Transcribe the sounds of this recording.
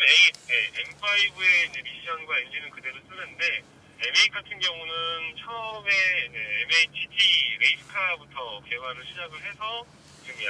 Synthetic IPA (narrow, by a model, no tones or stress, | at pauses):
ejeempʰaibue̞ind͡ʑe̞miɕ͈ʰʌnɡwaind͡ʑinɯnkɯde̞ɾos͈ɯnːɯnde̞ | emeik͈atʰɯnɡjʌŋunɯnt͡ɕʰʌme̞ne̞ːmeit͡ɕʰid͡ʑʰiɾe̞isʰɯ̥kʰabutʰʌke̞ɦwaɾɯɭɕʰid͡ʑaɡɯɭɦe̞sʰʌ | t͡ɕɯmja